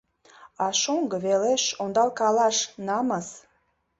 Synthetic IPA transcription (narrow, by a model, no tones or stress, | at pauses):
ɑʃoŋɡə̆βeleʃond̪ɑlkɑlɑʃnɑməs